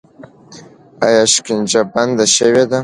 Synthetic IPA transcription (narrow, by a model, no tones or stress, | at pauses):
ajɑʃkind͡ʒaband̪aʃəwed̪a